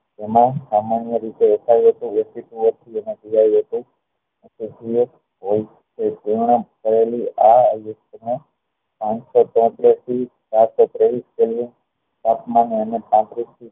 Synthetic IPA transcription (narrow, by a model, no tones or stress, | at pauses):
emãsamanijəɾit̪eəsʰajũɦət̪ũesituʋət̪ʰiened͡ʒijajuɦət̪ũ | esisʰie | ɦoj | t͡ʃʰed͡ʒeɳ̃akəɾeliajukt̪no | pãt͡ʃsɔt̪ɔ̃t̪ɾist̪ʰi | t͡ʃaɾsɔt̪ɾeʋiskeljun | t̪ap̪mãneənepãt̪ɾist̪ʰi